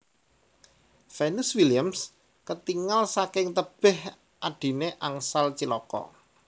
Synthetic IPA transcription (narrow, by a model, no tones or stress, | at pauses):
fɛnuswiliams | kət̪iŋalsakɪŋt̪əb̥ɪ̤h | ʔaɖ̥i̤neʔaŋsalt͡ʃilɔkɔ̰